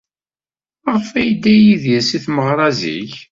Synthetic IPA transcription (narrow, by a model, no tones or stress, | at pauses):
əʁfæjd̪ːæjiðjæsiθməʁɾˤɑzḭç